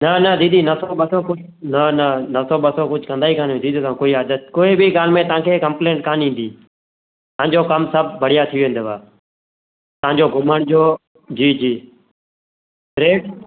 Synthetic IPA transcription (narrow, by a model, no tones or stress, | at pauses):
nənəd̪ĩːd̪iːnəsoːɓəsoːkʊ | nənənəsoːɓəsoːkʊd͡ʒʱkə̃nd̪aːiːkaːñːd̪iːd̪oːt̪ãːkoːiːaːd̪ət̪̚koːiːbʱiːɡaːlmẽːt̪əãːkʰeːkəmpleːɳʈkaːnĩːnd̪iː | t̪ãːɲd͡ʒoːkəmsəb̚bəɽ̤ɪjaːt̪ʰɪjoːeɪ̃ːnd̪eːbaː | t̪əãːɲd͡ʒoːɡʱʊməɳd͡ʒoː | d͡ʒiːd͡ʒiː | ɾeːʈ